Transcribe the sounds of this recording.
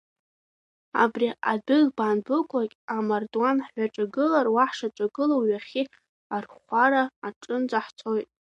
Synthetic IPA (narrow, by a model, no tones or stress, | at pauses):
a̰briadɨɣbaːnbɨkʷʼakʲʼamardwanħħʷaʈ͡ʂʼaɡɨlarwaħʂaʈ͡ʂʷʼaɡɨlowɥaχʲi | arχʷaɾaːʈ͡ʂʼɨnd͡zaħt͡sʰo̞jtʼ